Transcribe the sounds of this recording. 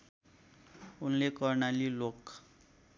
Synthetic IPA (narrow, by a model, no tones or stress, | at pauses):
unlekʌrnalilok